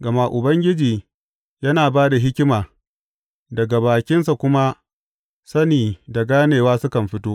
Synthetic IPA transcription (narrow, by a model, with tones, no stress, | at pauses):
ɡɐ˨ma˦ʔʊ˨bɐ˦ŋɡʲɪ˦d͡ʒiː˨ | jɐ˦naː˨baː˦da˨ɦɪ˦kʲɪ˦maː˨ | dɐ˨ɡa˨baː˨kʲɪ˦nsa˨kʷʊ˦ma˦ | sɐ˦niː˨da˨ɡaː˦neː˨waː˦sʊ˦kɐ˨mɸɪ˦toː˦ʔ